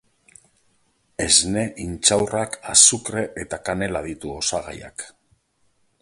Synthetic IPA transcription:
e̞zne̞ʔint͡ʃawrakasukɾe̞ʔet̪akane̞laðit̪uo̞saɣa̰ja̰k

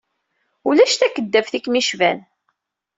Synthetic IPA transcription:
ulæʃt̪ækːəd̪ːæfθikmiʃvæn

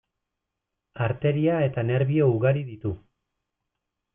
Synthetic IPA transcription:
aɾt̪e̞ɾiae̞t̪ane̞ɾβiouɣaɾiðit̪u

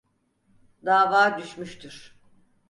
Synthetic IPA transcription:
d̪aːvaːd̪yʃmyʃt̪ʰyɾ̥

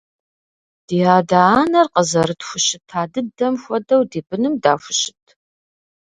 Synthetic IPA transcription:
d̥iːaːdaaːnɐrqəzɐɾɨtxʷʊɕɪtʰːaːdɨdɐmxʷɔdɐwdiːbɨnɨmdaːfʷʊɕɪ̥tʰ

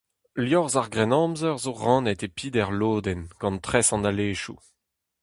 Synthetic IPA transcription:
ljɔʁzaʁɡʁɛnɑ̃ːmzœʁzoʁɑ̃ːnɛt̪epʰiːd̪ɛʁloːd̪ɛnɡ̥ɑ̃nt̪χɛsɑ̃nd̪aleːʃu

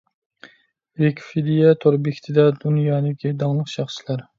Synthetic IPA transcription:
vekʲfid̪ijat̪ʰoɾbekʲt̪ʰɪd̪ad̪ʊnjɒːd̪aɡʲɪd̪ɒŋlˠɨqʃɑχʃlaɾ

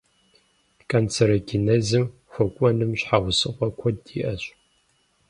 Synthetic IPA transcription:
kʰʼant͡sʰɐɾɐɡʲinɐzɨm | xʷɔkʷʼɔnɨmɕħawʷʊsɨqʷʼɔkʷʰɔdiːʔɐɕʼ

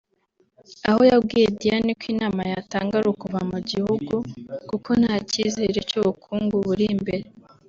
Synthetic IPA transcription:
aho̞jabɡiːjedijanikwinaːmajataːŋɡaɾukuvamuɟihuɡukuko̞n̥haːcize̞ɾe̞cuβukʰuːŋɡuβuɾimbe̞ɾe

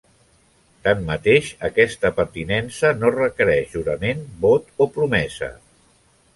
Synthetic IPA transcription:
t̪amːət̪eʃəkɛst̪əpəɾt̪inɛnsənorəkəɾɛʒʒuɾəmenbot̪opɾumɛzə̰

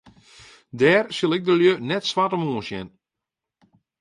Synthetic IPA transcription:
dɛːrsɪlˠɪɡ̚dəljønɛtsʋatɔmoːnsjɛ̰n

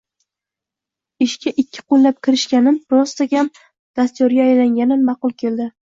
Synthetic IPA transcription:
ɪʃkʲʰaʔɪkʲʰːɪ̥qʰolːap̚kʲʰɪɾɪʃkʲanɪnpɾɒst̪aɡʲam | d̪̥ast̪jɒɾɡʲaːjlaŋɡʲanɪnmɑqʊlˠkʲʰe̞ld̪ɪ

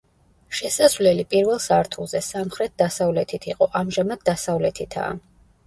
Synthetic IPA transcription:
ʃɛsazvlɛlipʼiɾvɛlˠsaɾt̪ʰulˠzɛsamχɾɛt̪̚d̪asavlɛt̪ʰit̪ʰiqʼɔʔamʒamad̪̚d̪asavlɛt̪ʰit̪ʰa̰

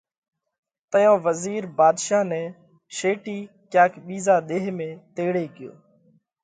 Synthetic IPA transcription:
t̪əjõːʋəziːɾbaːd̪ʃaːnɛː | ʃeːʈiː | kjaːkɓiːzaːɗ̪eːɦmẽːt̪eːɽeːkɪjo̰ː

